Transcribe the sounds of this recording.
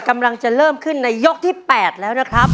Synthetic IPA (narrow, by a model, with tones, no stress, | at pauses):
ka˧mla˧ŋt͡ɕa˨˩ɾɤː˥˩mkʰɯ˥˩nːa˧jːo˦˥k̚t̪ʰiː˥˩pɛː˨˩t̪̚lɛː˦˥wna˦˥kʰɾa˦˥p̚